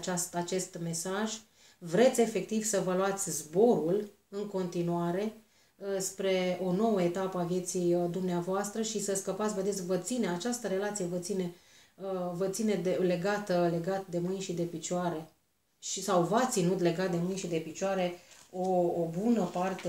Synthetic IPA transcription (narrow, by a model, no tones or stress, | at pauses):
t͡ʃast̪at͡ʃe̞st̪me̞saʒ | vɾe̞t̪sʲe̞fe̞k̚t̪iv̥səvəluat̪sʲzbo̞ɾul | ɨŋko̞nt̪inuaɾe̞ | spɾe̞o̞no̞wəe̞t̪apəavje̞t̪sijd̪umneavoast̪ɾəʃisəskəpat̪sʲve̞d̪esʲvət̪sineat͡ʃast̪əɾe̞lat̪sije̞vət̪sine̞ | əvət̪sine̞d̪ele̞ɡat̪əle̞ɡat̪̚d̪e̞mɨnʲʃid̪e̞pit͡ʃoaɾe̞ | ʃisawvat̪sinut̪le̞ɡat̪̚d̪e̞mɨnʲʃid̪e̞pit͡ʃoaɾe̞oːbunəpart̪e